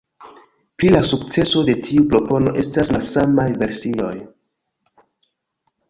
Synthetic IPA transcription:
pɾilasuk̚t͡se̞so̞de̞tʰiupɾo̞po̞no̞̰ʔe̞stasmasamajve̞ɾsio̞̰j

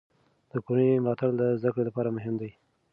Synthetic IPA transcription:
d̪̥əkonəmlɑt̪aɽd̪əzd̪akɽelapɑɾamʊɦɪmd̪aj

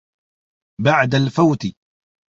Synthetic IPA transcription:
baʕd̪alfawt̪ɪ

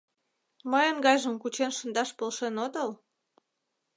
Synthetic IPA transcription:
məjənɡɑjʒəmkut͡ɕenʃə̆nd̪ɑʃpolʃenot̪əl

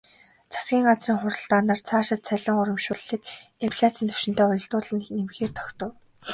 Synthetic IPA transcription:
t͡sʰḁsɡʲiːŋɢat͡sriːŋχʊɾə̆ɮt̪aːnaːrt͡sʰaːʃɪ̆t̪̚t͡sʰæɮɪ̆ŋʊɾʲɞ̆mʃʊːɮːiːk̪empʰɮʲat͡sĭːnt̪ʰɵ̥wʃɪ̆n̥t̪æːʊjɞ̆ɬt̪ʊːɮə̆nxnemxeːrt̪ʰɔ̥kt̪ɞ̆w

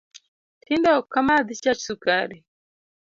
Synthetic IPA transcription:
tindaokamaðit͡ʃat͡ʃsukaɾi

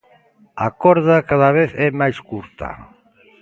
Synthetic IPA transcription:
a̰kɔɾðakaðaβ̞eθɛmajskuɾt̪a̰

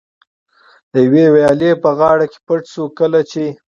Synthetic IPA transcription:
d̪̥əjwewajɑlepəɣɑɽake̥pəʈsukəlat͡ʃe

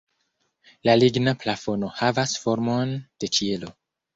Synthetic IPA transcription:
laliɡnaplafo̞no̞havasfoɾmo̞nd̥e̞t͡ʃie̞lo̞

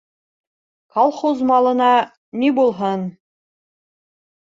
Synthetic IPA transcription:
kɑlˠχozmɑlˠɤ̆nɑ | nʲibulˠɦɤn

